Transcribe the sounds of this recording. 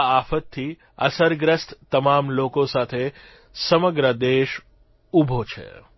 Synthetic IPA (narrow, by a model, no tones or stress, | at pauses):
afət̪ʰːi | əsəɾɡɾəst̪t̪əmamlokosat̪ʰe | səməɡɾəd̪eʃ | ubʱot͡ʃʰḛ